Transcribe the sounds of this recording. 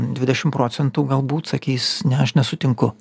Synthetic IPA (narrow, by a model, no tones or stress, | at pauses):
d̪ʲʋʲɪd̪ʲɛʃʲɪmpɾoːsʲɛnt̪uːɡɐlˠbuːt̪sɐkʲiːsnʲɛɐʃnʲɛsʊt̪ʲɪŋkʊ